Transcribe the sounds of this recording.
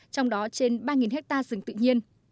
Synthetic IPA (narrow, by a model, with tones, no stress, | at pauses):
t͡ɕɔ˧wŋ͡mɗɔ˨˦t͡ɕe˧nɓaː˧ŋi˨˩nɦɛ˦˥k̚t̪aː˧zɨ˨˩ŋt̪ɨ̰˧˨ɲi˧ən